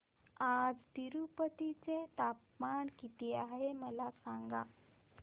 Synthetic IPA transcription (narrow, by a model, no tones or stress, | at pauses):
ad͡zt̪iɾupət̪it͡set̪apmaɳkit̪iaɦeməlasaŋɡa